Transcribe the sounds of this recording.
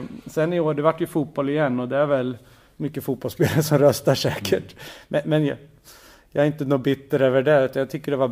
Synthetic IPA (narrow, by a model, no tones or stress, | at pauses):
sɛnːɪoːɖɛvaʈːjɵfuːt̪̚bɔlɪjɛnːɔd̪ɛæɾvɛl | mʏkːəfuːt̪̚bɔlspeːlaɾəʂɔmɾœst̪aʂɛːkʰəʈmɛmɛnj | jɑaɾɪnt̪ənubɪt̪ːəɾøːvəɖɛʉ̟t̪anjɑt̪ʰʏkːəɖɛvab